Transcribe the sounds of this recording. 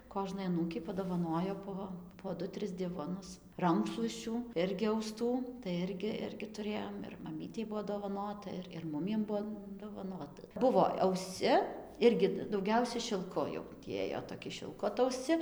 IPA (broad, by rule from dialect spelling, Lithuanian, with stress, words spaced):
ˈkoːʒnɐɪ ɐˈnuːkʲɛɪ pɐdoːʋɐˈnoːjoː poː poː ˈdʊ ˈtʲrʲɪs ˈdʲɪʋoːnʊs ˈrɐŋkʃlˠuɔsʲt͡ʃʲuː ˈɪrʲɡʲɪ ɐʊˈstuː tɐɪ ˈɪrʲɡʲɪ ˈɪrʲɡʲɪ tʊˈrʲeːjoːm ɪr mɐˈmʲiːtʲɛɪ ˈbʊʋoː doːʋɐˈnoːtɐ ɪr ɪr ˈmʊmʲiɛm ˈbuɔ doːʋɐˈnoːtɐ ˈbʊʋoː ɐʊˈsʲt͡sʲɪ ˈɪrʲɡʲɪ dɐʊˈɡʲɛʊsʲɛ ʃʲɪlˠˈkʊ jɛʊ tʲiː ˈeːjoː toːˈkʲɪ ʃʲɪlˠˈkʊ ɐtɐʊˈsʲt͡sʲɪ